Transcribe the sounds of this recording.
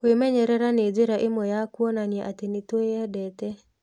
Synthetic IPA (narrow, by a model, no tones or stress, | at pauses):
wemɛɲɛɾɛɾaned͡ʒeɾaʔɪmɔjakwɔnanjɛʔatenitoadɛtɛ